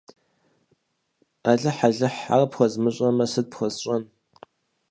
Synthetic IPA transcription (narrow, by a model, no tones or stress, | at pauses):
aːɮɨħaɮɨħa̰rɐpχʷɔzmɨɕʼɐmɐsɨd̚pxʷɔzɕʼɐn